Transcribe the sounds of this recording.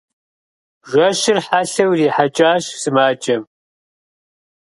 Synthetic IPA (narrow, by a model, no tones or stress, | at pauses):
ʒʷɐʃɪrħaɬɐwriːħat͡ʃʼaːɕsɨmaːt͡ʃʼɐm